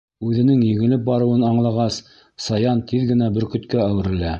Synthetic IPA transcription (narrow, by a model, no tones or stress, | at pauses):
ʉðɘ̆nɘŋjɘ̆ɡɘ̆lɘp̚bɑɾɤ̆wɤnɑɴlˠɑʁɑs | sɑjɑnt̪ʰiðɡɘ̆næbɘɾkɵ̆t̪kæːwɘ̆ɾɘ̆læ